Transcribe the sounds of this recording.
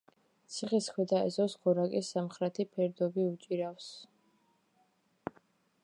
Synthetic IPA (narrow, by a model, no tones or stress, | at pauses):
t̪sʰiχiskʰwɛd̪aɛ̰zɔsɡɔɾakʼisːamχɾɛt̪ʰipʰɛɾd̪ɔbiut͡ʃʼiɾafs